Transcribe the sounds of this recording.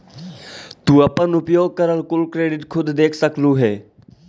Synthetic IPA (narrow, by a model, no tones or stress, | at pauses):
t̪ũəpənʊpjoːɡ̚kəɾəlkʊlkɾeːɖɪʈkʰʊd̪d̪eːkʰsəklũːɦɛː